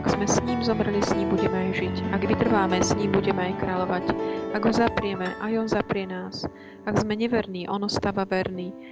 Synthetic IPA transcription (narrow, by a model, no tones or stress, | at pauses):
aɡz̥mɛsɲiːmzɔmɾɛlisɲiːmbuɟɛmɛajʒicaɡʋit̪r̩ʋaːmɛsɲiːmbuɟɛmɛajkɾalɔʋacaɡɦɔzapɾɪɛmɛʔajɔnzapɾɪɛnaːs | aɡzmɛɲɛʋɛɾniːʔɔnɔst̪aːʋaʋɛɾniː